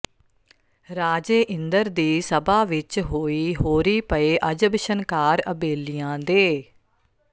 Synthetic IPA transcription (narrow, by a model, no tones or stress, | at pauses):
ɾaːd͡ʒeːʔɪnd̪əɾd̪iːsəbaːʋɪt͡ʃɦoːiːɦoːɾiːpəeːʔəd͡ʒəbʃənkaːɾəbeːlijãːd̪eː